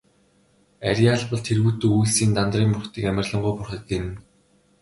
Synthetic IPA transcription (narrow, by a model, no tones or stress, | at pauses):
aɾʲaːɮpɞ̆ɮt̪ʰerɣuːt̪uːujɮsiːnt̪ant̪riːmpʊrχt̪iːkæmʲə̆rɮɞ̆ɴɢujpʊrχə̆t̪̚ɡen